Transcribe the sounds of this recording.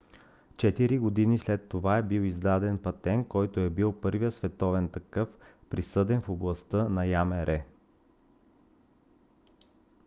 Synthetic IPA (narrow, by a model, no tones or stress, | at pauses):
t͡ʃɛt̪iɾiɡod̪inislɛt̪ːovaɛbiwizd̪ad̪ɛnpɐt̪ɛnkɔjt̪oɛbilˠpɤɾvijəsvɛt̪ɔvɛnt̪ɐkɤfpɾisɤd̪ɛnfoblˠɐst̪ənɐjamɛɾʔɛ